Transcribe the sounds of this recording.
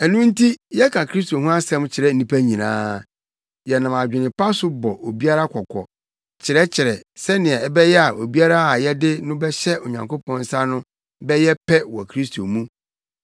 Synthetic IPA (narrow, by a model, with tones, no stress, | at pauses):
ɛ˨nũ˦n̩˦tʰi˦jɛ˦kʰã˨kʰɾi˦s̬tʰo˨ɦũ˦a˦sɛ̃˦mt͡ɕʰɪ˨ɾɛ˦n̩˦nĩ˦pʰæ˦ɲĩ˨nã̰ː˦ | jɛ˨nã˨ma˨d͡ʑᶣɪ˨nɪ̃˨pʰa˦sʊ˦bɔ˨ʔo˨bi˦a˦ɾa˦kʰɔ˨kʰɔ̰˨ | t͡ɕʰɪ˨ɾɛ˦t͡ɕʰɪ˨ɾɛ˨sɛ˦nɪ̃˨ɛ˨ɛ˦bɛ˦jɛ˦a˨o˨bi˦a˦ɾa˦a˨jɛ˦dɪ˦nʊ̃˦bɛ˦ɕɛ˦o˨ɲã̰˨ŋkʰo˦pʰɔ̃˦n˦sa˦nʊ̃˦ | bɛ˦jɛ˦pʰɛ˦wɔ˨kʰɾi˦stʰo˨mũ˦